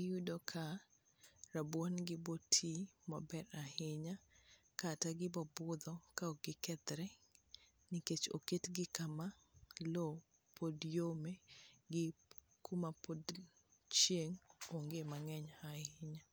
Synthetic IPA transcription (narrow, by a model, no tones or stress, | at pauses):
ɪjudokʰa | ɾabwanɡɪbɔtʰimabɛɾahɪɲakataɡɪbɔbʊd̪ɔkaoɡɪkɛd̪ɾɛ | nɪket͡ʃo̰ketɡɪkamalo | pʰodjomeɡɪ | kumapod | t͡ʃjeŋoŋɡemaŋɛɲahɪɲa